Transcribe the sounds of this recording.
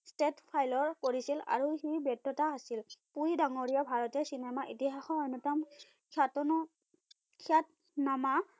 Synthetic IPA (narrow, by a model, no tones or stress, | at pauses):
stetpʰajlɔɹkoɹisila̰ɹuxijbɔtːɔtaːsilpuɹidaŋoɹiɔbʱaɹɔtɛsinɛmaʔitiɦaxɔɔnɔtam | kʰatɔnɔ | kʰat | nama